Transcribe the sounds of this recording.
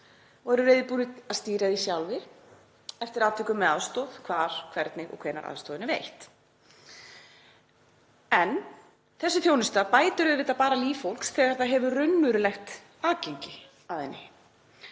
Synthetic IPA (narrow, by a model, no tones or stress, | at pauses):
vɔɾʏɾeːjðɪpuːnɪðast̪iːɾaðisjawlvɪɾ | ɛft̪ɪɾaːt̪vɛkʏmːɛa̰ðst̪oːð̥kʰvaːɾ̥kʰvɛɾt̪nɪɣɔ̰ɣkʰveːjna̰ɾa̰ðst̪oːðɪnɪvejht̪ | ɛn | θɛsːʏθjownɪst̪apaːjt̪ʏɾʏðvɪðapaːɾaliːfowl̥ksθɛːɣaɾ̥θaðɦɛvʏrʏnːʏɾʏlɛxt̪ | aːcejɲcɪ | aðɛnːɪ